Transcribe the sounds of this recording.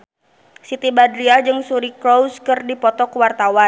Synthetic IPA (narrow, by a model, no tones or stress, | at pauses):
sit̪ibadɾiad͡ʒɨŋsuɾikɾɔskɨrdipɔt̪ɔkuwart̪awa